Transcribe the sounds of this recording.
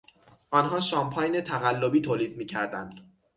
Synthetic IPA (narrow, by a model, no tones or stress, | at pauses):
ʔɒnɦɒːʃɒːmpʰɒjne̞t̪ʰæɣælːobiːt̪ʰoːliːd̪̚miːcʰæɾd̪ænd̪